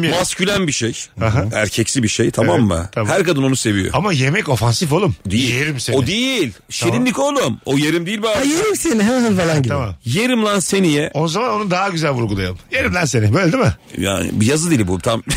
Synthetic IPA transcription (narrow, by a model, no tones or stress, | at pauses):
mascylʲænbiʃejhaɦaæɾcʰɛcsibiʃejt̪ʰamamːɯ̰ahæɾkad̪ɯno̞nuse̞vijo̰amaje̞mɛco̞fansifolˠumd̪ejieɾimseod̪ejilʲʃininʲikolˠumojeɾimd̪eilʲbajeɾimseniɦeanfalˠanɟit̪amamjeɾimlˠansenijɛozamano̞nud̪aɦaɟyzælʲvuɾɡulˠajalˠmjeɾimlʲˠænsenɪbøːlʲed̪imɪja̰ːnḭbijazɯd̪ilʲbut̪ʰam